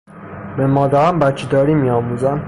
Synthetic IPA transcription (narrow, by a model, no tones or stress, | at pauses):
bemɒːd̪æɾæmbæt̪t͡ʃʰid̪ɒːɾimiɒːmuːzæm